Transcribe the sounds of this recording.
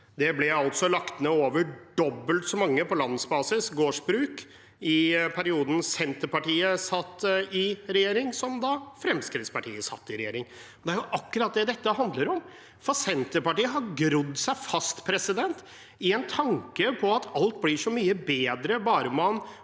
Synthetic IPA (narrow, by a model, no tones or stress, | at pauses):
d̪ɛblɛɑlt̪sɔlɑkt̪neoːʋəɖɔbːəlt̪sɔmɑŋːəpʰɔlɑnsbɑːsɪsɡoːʂbɾʉːk | ɪpʰæɾɪuːd̪n̩sɛnt̪əɾpɑʈiːəsɑt̪ːɪɾɛjeːɾɪŋsɔmd̪ɑfɾɛmskɾɪt̪spɑʈʰiːəsɑ̰t̪ːɪɾɛjḛːɾɪŋ | ɔnd̪ɛæɾjʊʔɑkːʉɾɑt̪̚d̪ɛd̪ɛt̪ːəɦɑnd̪ləɾɔm | fɔɾsɛnt̪əɾpɑʈiːəɦɑɾɡɾʉd̪ːsæɪfɑst̪pʰɾɛsɪd̪ɛnt̪ | ɪɛnt̪ʰɑŋkəpʰɔɑt̪ʰɑlt̪̚blɪʂɔmyːəbeːd̪ɾəbɑːɾəmɑn